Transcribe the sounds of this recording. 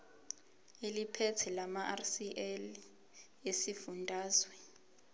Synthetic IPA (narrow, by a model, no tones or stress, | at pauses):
elipʰetʰɛlamaʔarsiʔɛl | esifundʱaːzwɛ